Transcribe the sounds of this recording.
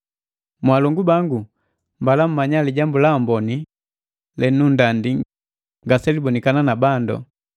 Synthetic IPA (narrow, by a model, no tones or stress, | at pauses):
mwalɔŋɡubaŋɡu | mbalam̩mːaɲaliɟambulaɔmbɔni | lɛnundandi | ŋɡasɛlibɔnikananabandɔ̰